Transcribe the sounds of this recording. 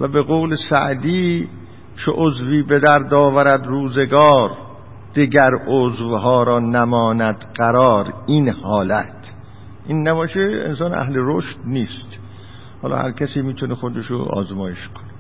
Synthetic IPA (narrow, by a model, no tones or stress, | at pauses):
væbeɣoːwlesæ̰ʔd̪iː | t͡ʃʰeʔozviːbe̞d̪æɾd̪ɒːvæɾæd̪ɾuːzeɡɒːɾ | d̪̥iɡæɾozvɦɒːɾɒːnæmɒːnæd̪ɢæɾɒːɾinhɒːlæt̪ʰ | ʔinːæbɒːʃeḛnsɒːnæ̰hleɾoʃt̪niːst̪ | hɒ̰ːlɒ̰ːhæ̰ɾcʰæsiːmiːt̪ʰonexod̪eʃo̰ɒ̰ːzmɒːjeʃkʰone